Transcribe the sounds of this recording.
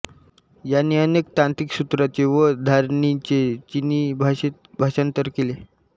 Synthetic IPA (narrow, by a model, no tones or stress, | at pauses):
janːiːənekt̪ãnt̪iksut̪ɾat͡ɕeʋəd̪ʱaɾɳit͡ɕet͡ɕinibʱabʱaɕənt̪əɾkele